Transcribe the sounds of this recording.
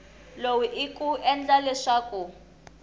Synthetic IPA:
lowiʔikuɛnd͡ɮalɛʂaːku

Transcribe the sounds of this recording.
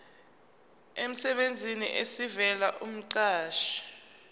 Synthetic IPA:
em̩sɛɓend͡zʱinḭʔesivɛlaʔum̩ǀaːʃi̥

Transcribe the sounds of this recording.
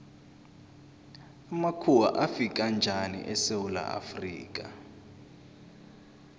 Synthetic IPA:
amakʰuwa̰ʔafik̬ʼand͡ʒʱanḭʔɛsewula̰ʔa̰frḭːk̬ʼa

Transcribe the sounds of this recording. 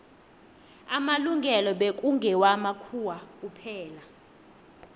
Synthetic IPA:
amaluŋɡʱɛlɔɓek̬ʼuŋɡʱɛwamakʰuwak̬ʼupʰɛːla

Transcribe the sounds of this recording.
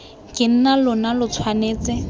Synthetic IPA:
kʼɪn̩nalʊnalʊt͡sʰwaneːt͡sɪ

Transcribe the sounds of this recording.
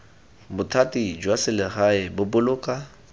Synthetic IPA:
bʊtʰatʼid͡ʒwasɪlɪχaɪbʊbʊlʊːkʼa

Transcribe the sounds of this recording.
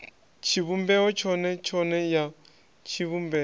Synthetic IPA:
t͡ʃʰiβumbɛɔt͡ʃʰɔnɛt͡ʃʰɔnɛja | t͡ʃʰiβumbɛ

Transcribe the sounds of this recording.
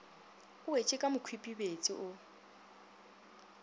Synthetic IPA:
ʊwet͡ʃʼɪkʼamʊkʰwipʼibet͡sʼiʔʊ

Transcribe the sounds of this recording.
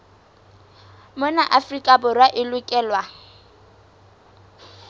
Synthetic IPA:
mʊnaʔafrikʼabʊrwaʔɪlʊkʼɛːlwa

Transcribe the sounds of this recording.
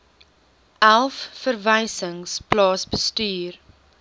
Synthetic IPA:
ʔælˠfːərvəjsəŋsplɑːsbəstyːr

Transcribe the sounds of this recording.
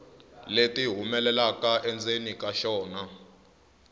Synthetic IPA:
letiɦumɛlɛlakaʔɛnd͡zenikaʃɔːna

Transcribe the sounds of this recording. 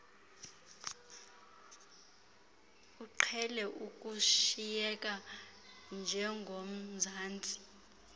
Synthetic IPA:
uǃʰɛlɛʔuk̬ʼuʃijɛkʼa | nd͡ʒʱɛŋɡʱom̩zʱaːnd͡zʱi̥

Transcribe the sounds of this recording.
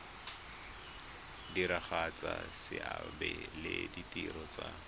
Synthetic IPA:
diɾaχat͡sasɪʔabɛlɪditʼiɾɔt͡sa

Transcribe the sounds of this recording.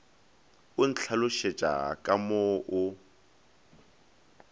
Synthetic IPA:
ʊn̩t͡ɬʰalʊʃet͡ʃʼa̰kʼamoʔʊ

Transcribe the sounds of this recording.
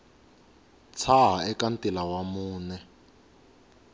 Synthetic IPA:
t͡sʰaɦaɛkantilawamuːnɛ

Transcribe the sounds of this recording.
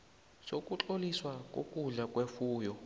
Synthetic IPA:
sokʼut͡ɬoliswak̬ʼo̰kʼuɮakʼwefuːjɔ

